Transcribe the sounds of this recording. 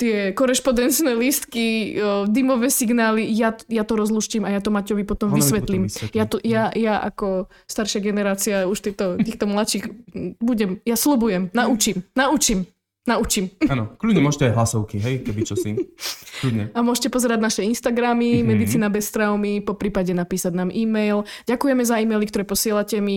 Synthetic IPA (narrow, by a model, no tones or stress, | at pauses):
t̪ɪɛkɔɾɛʃpɔd̪ɛnt͡ʃnɛlist̪kid̪imɔʋɛsiɡnaːlijajat̪ɔɾɔzluʃcimajat̪ɔmacɔʋipɔt̪ɔmʋissʋɛt̪liːmjat̪ɔjajaʔa̰kɔ | st̪aɾʃɪaɡɛnɛɾaːt͡siauʃt̪ɛt̪ɔt̪iːxt̪ɔmlat͡ʃiːxbuɟɛmjaslubujɛmnaut͡ʃimnaut͡ʃim | naut͡ʃimnɔkludɲɛmɔʒcɛajɦlasɔʊkiɦɛjkɛbit͡ʃɔsḭklud̪ɲɛamʊɔʒcɛpɔzɛɾaɟnaʃɛinst̪aɡɾamimɛd̪it͡siːnabɛst̪ɾaʊmipɔpɾiːpaɟɛnapiːsaɟnaːmʔiːmɛjlɟakujɛmɛzaiːmɛjlikt̪ɔɾɛpɔsɪɛlacɛmi